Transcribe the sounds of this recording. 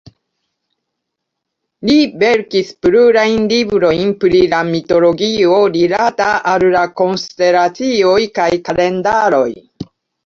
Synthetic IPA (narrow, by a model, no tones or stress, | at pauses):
libe̞ɾkispɾuɾajnlibɾo̞jnpɾilamito̞lo̞ɡio̞lilataʔallakonste̞ɾat͡sio̞jkajkale̞ndaɾo̞j